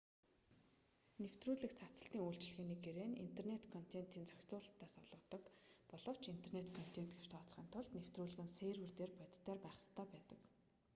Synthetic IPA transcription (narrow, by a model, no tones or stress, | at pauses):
new̥t̪ruːɮɘ̆kt͡sʰat͡sə̆ɬt̪iːŋujɬt͡ɕ̆ɮɘ̆ɣeːniːɡeɾeːnḭn̥t̪ʰernet̪kʰɔn̥t̪ʰent̪iːnt͡sœxʲt͡sʊːɮt̪ːaːsɔɮʁɞ̆t̪ɞ̆kpɔɮɞ̆w̥t͡ɕint̪ʰernet̪kʰɔn̥t̪ʰen̥t̪̚ɡeʃt̪ʰɔːt͡sχiːnt̪ʰʊɮt̪new̥t̪ruːɮɘ̆ɣɘ̆nseːrwɘ̆rt̪eːrpœt̪ʲt̪ːæːrpæːχə̥̆st̪ʰœːpæːt̪ə̆k